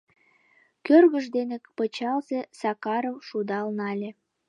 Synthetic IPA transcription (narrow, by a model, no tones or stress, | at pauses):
kørɣəʒd̪enekpət͡ɕɑlzesɑkɑɾəwʃud̪ɑlnɑlʲe